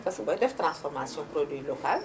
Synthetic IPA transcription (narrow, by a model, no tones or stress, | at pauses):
pɐskɐbɐdɛft̪ɾãnsfɔɾmasijɔ̃pɾodwilokal